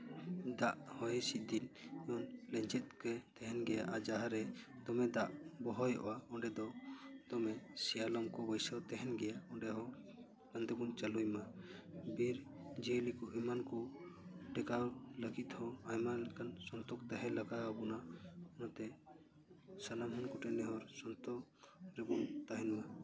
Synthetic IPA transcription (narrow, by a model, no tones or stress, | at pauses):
d̪aʔhɔjɛsid̪inɛɔnlɛɲd͡ʒɛt̪̚kɛt̪ɛɦɛnɡɛja̰ʔad͡ʒaɦaɾɛd̪ɔmɛd̪aʔbɔɦɔjɔ̰ʔɔ̰waɔɳɖɛd̪ɔd̪̥ɔmɛsɛjalɔmkɔbɔjsat̪ɛɦɛnɡɛjaɔɳɖɛɦɔ̃ | kand̪ɛbunt͡ʃalujmabiɾ | d͡ʒɛlikuɦimanku | ɖɛkaləɡit̪hɔ̃ajmalɛkansɔnt̪ɔkt̪aɦɛləɡabɔnaɔnɔt̪ɛ | sanamɦɔnkuʈɛnɛɦɔɾsɔnt̪ɔk | ɾɛbunt̪aɦinuwa